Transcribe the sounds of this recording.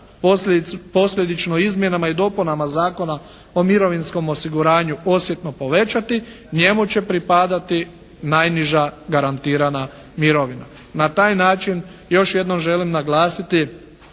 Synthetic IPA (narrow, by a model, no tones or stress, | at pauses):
po̞sʎʲe̞d̪it͡ʃnoizmje̞namaid̪o̞punamazaːko̞na | o̞miɾo̞ʋinsko̞mo̞siɡuɾaːɲuo̞sje̞t̪no̞po̞ʋe̞t͡ʃat̪i | ɲe̞mut͡ɕe̞pɾipad̪at̪i | najniʒaɡaɾant̪iːɾana | miɾoʋina̰ | nat̪aːjnaːt͡ʃinjo̞ʃje̞d̪no̞mʒe̞limnaɡlˠaːsit̪i